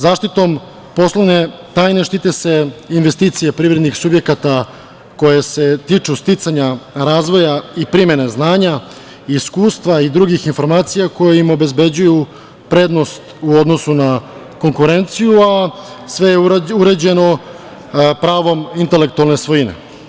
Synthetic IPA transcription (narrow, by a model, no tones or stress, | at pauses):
zaːʂt̪it̪o̞m | po̞slˠone̞t̪aːjne̞ʃt̪it̪e̞se̞inʋe̞st̪iːt̪sijepɾivɾed̪nixsubje̞kat̪a | ko̞jese̞t̪it͡ʂust̪it̪saɲaɾaːzʋo̞jaipɾime̞ne̞znaːɲa | iskuːst̪ʋaid̪ɾuɡixinfo̞ɾmaːt̪sijako̞jeimo̞be̞zbe̞d͡ʑuju | pɾe̞ːd̪nost̪uo̞d̪no̞suna | ko̞ŋkuɾe̞nt̪sijua | sʋe̞jeuɾed͡ʑe̞no | pɾaːʋo̞mint̪e̞le̞k̚t̪ualˠne̞sʋojinḛ